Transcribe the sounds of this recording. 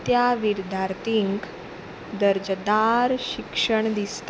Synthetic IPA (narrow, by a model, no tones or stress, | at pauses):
t̪jaʋiɾd̪ʱjaɾt̪iŋk | d̪əɾd͡ʑəd̪aɾɕikʂəɳd̪ist̪